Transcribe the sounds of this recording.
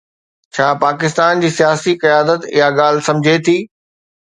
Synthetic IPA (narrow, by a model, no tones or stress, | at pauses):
t͡ɕʰaːpaːkɪst̪aːnd͡ʑiːsijaːsikɐjaːd̪ət̪ɪ̰ɦaɠaːl̤sɐ̃md͡ʑʱet̪ʰiː